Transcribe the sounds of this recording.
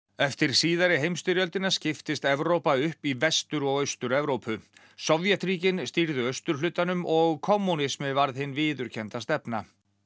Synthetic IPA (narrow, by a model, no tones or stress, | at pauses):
ɛft̪ɪɾ̥siːðaɾɪɦejmst̪ʏɾjœlt̪ɪnascɪft̪ɪst̪ɛvɾowpaʏhpivɛst̪ʏɾɔɣœɥst̪ʏɾɛvɾowpʰʏ | sɔvjɛt̪ɾiːcɪnst̪iɾðʏœɥst̪ʏɾ̥lʏt̪ːanʏmʔɔɣkʰɔmːunɪsmɪvaɾðhɪnːvɪːðʏɾ̥cʰɛnt̪ast̪ɛpna